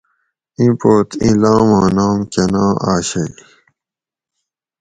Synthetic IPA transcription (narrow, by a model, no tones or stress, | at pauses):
ĩpoːt̪ḭ̃lãːmaːnaːmkɐnãːʔaːɕɐj